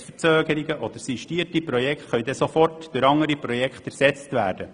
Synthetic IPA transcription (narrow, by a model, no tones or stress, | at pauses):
fət͡søːɡ̥əɾiɡəʔɔd̥̪əɾsiʃtiːtipɾɔjɛkχtχœʏd̪ɛsofɔrtd̥ʏɾɑŋəɾipɾɔjɛkχt̪æɾsɛt͡st̪vʋæːɾd̥ə